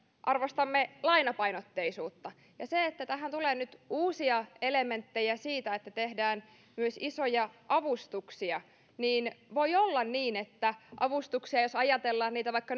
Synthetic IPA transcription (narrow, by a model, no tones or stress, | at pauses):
ʔɑrʋost̪ɑmːelɑinɑpɑjnot̪ːeisuːt̪ːɑ | jɑseet̪ːæt̪æɦænt̪uleːnyt̪uːsiɑeleme̞nt̪ːejæsiːt̪æet̪ːæt̪ehdæːn | myøsisojɑʔɑʋust̪uksiɑ | niːnʋo̞iolːɑnniːnet̪ːæʔɑʋust̪uksiɑjosɑjɑt̪elːɑːnniːt̪æʋɑikːɑ